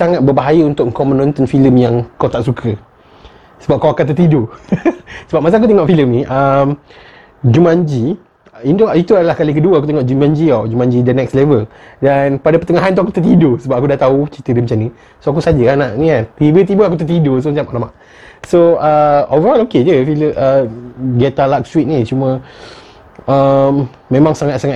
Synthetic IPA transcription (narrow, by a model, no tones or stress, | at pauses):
saŋat̪̚bəbaɦajəunt̪ʊkkɔmənːɔ̃nt̪ənfiləmjaŋkawt̪aʔsukʰə | səbap̚kawakant̪ərt̪ido | səbap̚mas̬ak̬ut̪eŋɔʔfiləmnĩʔəm | d͡ʒumãɲd͡ʒi | indoit̪uadalahkalik̬əduəak̬ut̪eŋɔʔd͡ʒumãɲd͡ʒiad͡ʒumãɲd͡ʒidənɛkslevəldanpadapət̪əŋaɦant̪uakut̪ət̪idosəbap̚akudaʔt̪aut͡ʃit̪ədəmət͡ʃamnĩ | soakusad͡ʒəanaʔnikant̪ibət̪̬ibəak̬ut̪ət̪idos̬omət͡ʃamaʔlama̰ʔ | soəovəɾɔloked͡ʒəfiləməɡɛt̪alak̚swit̪̚nit͡ʃumə̃ | əm | mẽmãŋsaŋat̪̚saŋa